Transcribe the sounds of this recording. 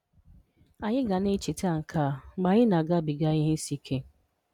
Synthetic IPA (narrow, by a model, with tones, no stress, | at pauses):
a˨ɲɪ˦ɡa˨ne˦t͡ʃe˨ta˦˨ŋ̩˨kʰa˨ɡ͡ba˨ɲɪ˦na˨ɡa˦bi˨ɡa˦ɲɪ˦n̩˦si˦kʰe˦